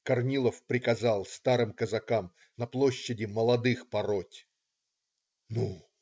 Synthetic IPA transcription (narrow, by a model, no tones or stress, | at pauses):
kɐrnʲilˠəfpɾʲɪkɐzalˠst̪aɾɨmkəzɐkam | nɐplˠoɕːɪdʲɪməlˠɐd̪ɨxpɐɾotʲ | nu